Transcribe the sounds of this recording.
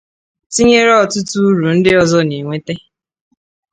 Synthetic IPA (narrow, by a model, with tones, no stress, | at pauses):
ti˦ɲe˦ɾɔ˦˨tʊ˦tu˦ɾu˨n̩˦dɪ˦ɔ˦zɔ˦ni˨ŋʷe˦te˦